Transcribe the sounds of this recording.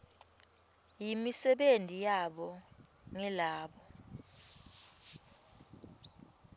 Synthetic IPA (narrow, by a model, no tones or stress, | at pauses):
jimisɛɓentʼijaɓɔŋɛlaːɓɔ